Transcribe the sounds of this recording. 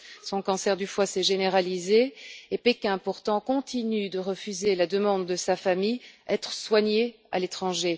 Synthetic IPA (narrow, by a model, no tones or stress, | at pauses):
sɔ̃kɑ̃sɛʁd̪yfwasɛʒeneʁalizeːpekʲɛ̃puʁt̪ɑ̃kɔ̃t̪ʰinyd̪əʁəfyzelad̪əmɑ̃d̪ːəsafamijɛt̪χəswaɲe | a̰let̪χɑ̃ʒe